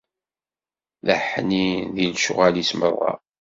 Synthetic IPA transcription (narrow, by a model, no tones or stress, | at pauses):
ləħniðilʃʊ̰ʁælismə̰rˤːɑ̰